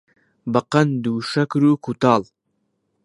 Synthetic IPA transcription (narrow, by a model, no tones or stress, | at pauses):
bɐqɐnd̪uːʃɐkɾukʰut̪ɑl